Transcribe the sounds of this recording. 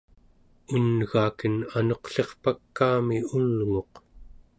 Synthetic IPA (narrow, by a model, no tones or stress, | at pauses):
unɣaːkənano̞qɬe̞χpakːaːmiulŋo̞q